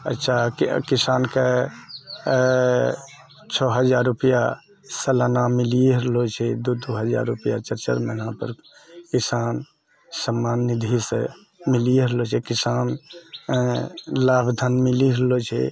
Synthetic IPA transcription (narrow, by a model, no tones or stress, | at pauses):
ə̰tːʃʰakisanke | t͡ʃʰɔɦəd͡ʒaɾːupija | səlanamiliɾlot͡ʃʰɛd̪ud̪uɦəd͡ʒa̰ɾːupja̰t͡ʃəɾt͡ʃə̰ɾmeəɦãpə̰ɾ | kisan | səmːanːid̪ʱise | miliɾlot͡ʃʰɛkisan | labd̪ʱənmiliɾlot͡ʃʰɛ̰